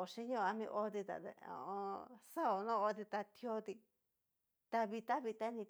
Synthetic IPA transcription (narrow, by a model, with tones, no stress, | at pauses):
o˨ʃi˦ɲõ˦˧a˧mĩ˧ʔo˧˦t̪i˧t̪a̰˨t̪ḛ˧õ̰˨õ˧sa˦o˨nõ˦o˧t̪̬i˧t̪a˧t̪ʰjo˧˦t̪i˧ | t̪a˧βi˧t̪a˦βi˧t̪a˦nĩ˧t̪